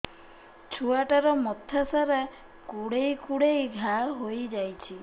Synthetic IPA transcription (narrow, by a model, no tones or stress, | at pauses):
t͡ʃʰuaʈaɾɔmɔt̪ʰasaɾa | kuɽejkuɽejɡʱaɦojd͡ʒajt͡ʃʰi